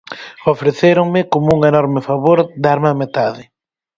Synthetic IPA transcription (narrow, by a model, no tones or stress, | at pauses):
ofɾeθeɾoŋmɪkomʊuŋenɔɾmɪfaβoɾd̪aɾmamet̪aðɪ